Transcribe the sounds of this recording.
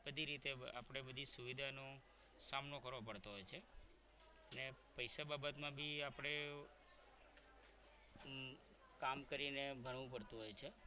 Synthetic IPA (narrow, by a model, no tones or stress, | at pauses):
bəd̪ʱiɾit̪ea̰pəɽ̃ebəd̪ʱisuʋid̪ʱano | samnokəɾʋop̬əɽt̪oɦojt͡ʃʰe | ənepəjsababət̪mãbʱiapɽ̃e | kamkəɾinebʱəɽʋũpəɽt̪ũɦojt͡ʃʰe